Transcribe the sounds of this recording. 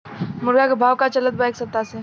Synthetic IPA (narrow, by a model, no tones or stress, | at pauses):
mʊɾɡakebʱawkat͡ʃələt̪̚baeksət̪ːase